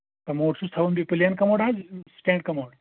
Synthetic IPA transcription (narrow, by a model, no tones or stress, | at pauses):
t̪ɐmoːʈsust̪ʰɐʋunbipɨlijankɐmoːɽaːd͡ʒsʈẽːɳɖ̚kɐmoːɖ